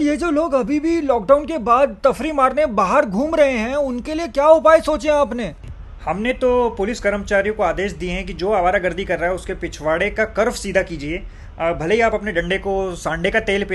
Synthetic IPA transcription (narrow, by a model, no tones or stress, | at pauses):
jed͡ʒoːloːɡɐbʱibʱilɔːk̚ɖaːʊnkebaːd̪̚t̪ɐfɾimaːɾnebaːɦəɾɡʱuːmɾɐɦeɦɛ̃ʊnkeliekjaːʊpaːesoːt͡ʃẽaːpneː | hɐmnet̪opʊlɪskɐɾəmt͡ʃaːɾijõkoaːd̪eːʃd̪ieɦɛ̃k̬id͡ʒoːaʋaːɾaɡɐɾd̪ʱikɐɾːaːɦɛʊskepɪt͡ʃʰʋaːɽekakɐɾfsiːd̪ʱakiːd͡ʒieː | bʱɐleɦiaːpɐpneɖɐ̃ɳɖekosãːɳɖekat̪eːlpː